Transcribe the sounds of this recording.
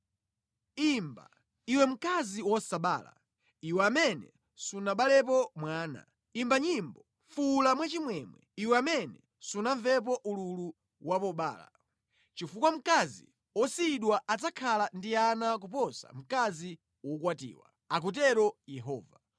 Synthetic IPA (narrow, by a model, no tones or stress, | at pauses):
imba̰ | iwɛm̩kaziwɔsaɓa̰ːla̰ | iwɛamɛnɛ̰ | sunaɓalɛp̬ɔmwaːna̰ | imbaɲimbɔ | fulamwat͡ʃimwɛmwɛiwɛamɛnɛ | sunaɱvɛp̬ɔʔululu | wapɔɓa̰ːla̰ | t͡ʃifukwam̩kazḭ | ɔsiɗwaʔat͡sakʰalandianakup̬ɔsa̰m̩kazi | wɔkwatḭːwa̰ | ak̬ut̬ɛɾɔjɛɦɔ̰ːva